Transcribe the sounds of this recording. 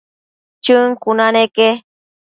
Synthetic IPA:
t͡ʃɨŋkunaneke

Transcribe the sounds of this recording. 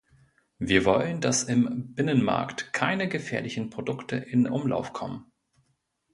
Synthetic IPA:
viːɐvɔləndasɪmb̥ɪnənma̰ɐktkʰaɪnəɡəfɛːɐlɪçn̩pʁ̥odʊktʰəʔɪnʔʊmla̰ʊfkʰɔmən

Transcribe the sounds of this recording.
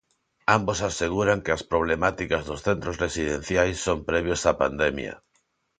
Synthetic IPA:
ambosaseɣuɾaŋkeaspɾoβ̞lemat̪ikazðosθent̪ɾozresiðen̟θjajsːompɾɛβ̞josapa̰nd̪emja̰

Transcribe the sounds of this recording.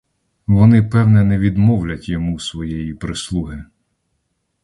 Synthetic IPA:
ʋɔnɪpɛwnɛnɛʋʲid̪mɔwlʲɐtʲjɔmusʋɔjɛjipɾɪslˠuɦɪ

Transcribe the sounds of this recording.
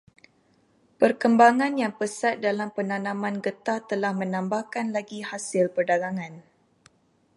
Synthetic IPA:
pərkəmbaŋãnjaŋpəsat̪̚dalampənanãmãnɡət̪at̪əlahmə̃nãmbahkanlaɡihasɪlpərdaɡaŋãn

